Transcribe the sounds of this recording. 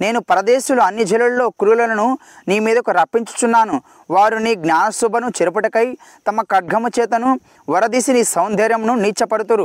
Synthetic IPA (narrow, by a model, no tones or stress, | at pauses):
ne̞ːnupɐɾɐd̪eːʃuluɐnːid͡ʒʱɐlullo̞ːkɾuːlɐlɐnu | niːmiːd̪ɐkuɾɐpːiɲt͡ʃu̥t͡ʃ̪unːaːnu | ʋaːɾuniːɡnʲaːnɐsubʱɐnut͡ʃɛɾup̬ɐʈɐkɐj | t̪ɐmɐkɐɖ̚ɡʱɐmut͡ʃɛːt̪ɐnu | ʋɐɾɐd̪isiniːsɐwnd̪ʱɛːɾjɐmnuniːt͡ʃɐpɐɽut̪uɾu